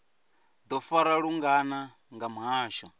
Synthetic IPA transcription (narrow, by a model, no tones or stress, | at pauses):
d̪ɔfaɾaɺuŋɡana | ŋɡamuɦaːʃɔ